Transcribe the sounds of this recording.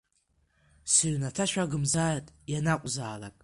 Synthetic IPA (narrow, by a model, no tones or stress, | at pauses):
sɨɥnatʰaʃʷᶣaɡɨmzartʼjanaqʷʼzaːla̰kʼ